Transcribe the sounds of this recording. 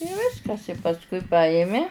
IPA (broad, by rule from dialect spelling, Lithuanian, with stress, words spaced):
ɪ ˈʋʲɪskɐs ɪ pɐsˈkʊɪ ˈpɑːjɪmʲɪ